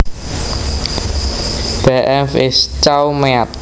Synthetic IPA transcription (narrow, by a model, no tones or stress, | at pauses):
b̥ɛʔɛfɪst͡ʃawmɛat̪̚